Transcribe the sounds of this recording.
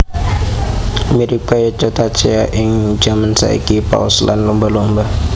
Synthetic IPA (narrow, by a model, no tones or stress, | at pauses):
ameɾikajat͡ʃat̪at͡ʃɛaʔɪŋd͡ʒamansa̰ḭkipa̰ɔsla̰nlɔmbalɔmba